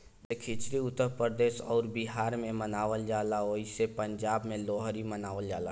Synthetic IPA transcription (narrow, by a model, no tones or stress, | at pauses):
d̪eːkʰit͡ʃɾiʊt̪ːəɾpɾəɾd̪eːʃɔːɾbɪɦaːɾmẽmənaːʋəld͡ʒaːlaoːɪsepɐ̃ɲd͡ʒaːbmẽlɔːɦɾimənaːʋəld͡ʒaːla